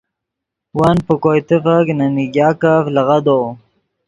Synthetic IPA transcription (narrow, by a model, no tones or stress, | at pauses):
wanpəkojt̪əfaknaniɡjɑːkaflaɣad̪o